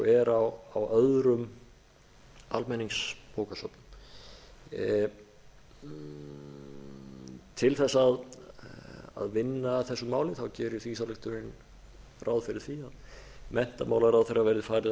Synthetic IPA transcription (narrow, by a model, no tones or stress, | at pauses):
ɔ̰ɛɾawawœðɾʏm | a̰lmɛnːiŋspoːwkasɔ̰pnʏm | t̪ʰɪlθɛsːaað | a̰ðvɪnːaθɛsːʏmaːwlɪθawcɛːɾɪ̥θvis̬alʏht̪ʏɾɪn | rʔawðfɪɾɪɾ̥θiaðmɛn̥t̪amaːwlaɾawðfejravɛːɾɪðfaːjɾɪ